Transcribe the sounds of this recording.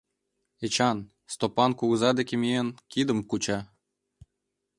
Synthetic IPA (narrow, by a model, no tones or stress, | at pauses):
et͡ɕɑn | st̪opɑnkuɣɤzɑd̪ekʲemʲienkʲid̪ə̆mkut͡ɕɑ